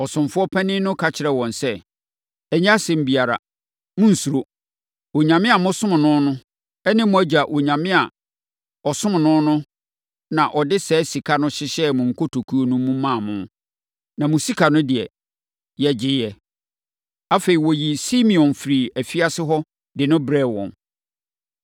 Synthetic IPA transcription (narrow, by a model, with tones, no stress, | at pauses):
ɔ˨sʊ̃˨mfʊ˦ɔ˦pʰɛ̃˦nɪ̃˦nʊ̃˦kʰa˨t͡ɕʰɪ˨ɾɛ˨wɔ̃˨n˨sɛ˦ | ɛ˨ɲ̃˦a˦sɛ̃˨m̩˨bi˨a˨ɾa̰˨ | mʊ̃˦n̩˨su˨ɾo˦ | wo˨ɲã˨mɪ̃˦a˨mʊ̃˦sʊ̃˦m˨nʊ̃˦nʊ̃˦ | ɛ˦nɪ̃˦mʊ̃˨æ˦d͡ʑa˨ʔo˨ɲã˨mɪ̃˦a˨ | ɔ˨sʊ̃˦m˨nʊ̃˦nʊ̃˦ | nã˨ʔɔ˨dɪ˦sɛː˨˦si˨kʰa˦nʊ̃˦ɕɪ˦ɕɛ˦mʊ̃˨ŋ̩˨kʰo˦tʰo˨kʰu˦o˦nũ˦mũ˦mã˦˨mʊ̃˦ | nã˨mʊ̃˨si˦kʰa˨nʊ̃˦dɪ˨ɛ̰˨ | jɛ˨d͡ʑɪ˨jɛ˨ | a˦fe˨ɾi˨wɔ˨ji˨si˦mĩ˨ɔ̃˨nfɾiː˨æ˨fi˦a˦sɪ˦ɦɔ˦ | dɪ˨nʊ̃˦bɾɛ˦˨wɔ̰̃˨n